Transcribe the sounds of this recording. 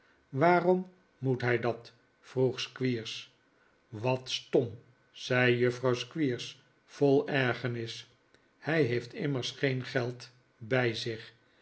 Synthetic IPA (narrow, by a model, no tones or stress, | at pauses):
ʋaːrɔm | mutɦɛjdɑt | fruχskʋiːɹs | ʋɑtstɔm | sɛjjɵfrɑwskʋiːɹs | folˠɛɹχənɪs | hɛjɦejftɪməɹsχejnχɛlˠt | bɛjzɪχ